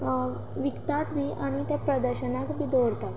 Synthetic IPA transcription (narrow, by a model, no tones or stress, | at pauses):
ʋikt̪at̪biʔaɽ̃it̪ɛpɾəd̪əɾɕənakbid̪oɽt̪at̪